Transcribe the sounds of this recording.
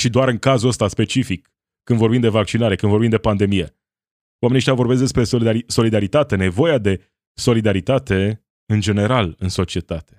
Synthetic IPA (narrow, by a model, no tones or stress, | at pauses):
ʃid̪oaɾɨŋkazuəst̪aspe̞t͡ʃifikː | ɨnd̪vo̞rbimd̪e̞vak̚t͡ʃinaɾe̞kɨnvo̞rbimnd̪e̞pand̪e̞mije̞ | wameieʃt̪javo̞rbes̬k̚d̪espɾe̞soiso̞lid̪aɾit̪at̪e̞ne̞vo̞jad̪e̞ | so̞lid̪aɾit̪at̪e̞ | ɨnd͡ʒe̞ne̞ɾalɨnso̞t͡ʃie̞t̪at̪e̞̥